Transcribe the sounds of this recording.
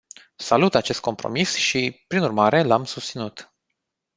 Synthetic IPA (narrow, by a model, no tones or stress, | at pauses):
salut̪at͡ʃe̞st̪̚ko̞mpɾo̞̰misʃipɾinurmaɾe̞lamsust̪sinut̪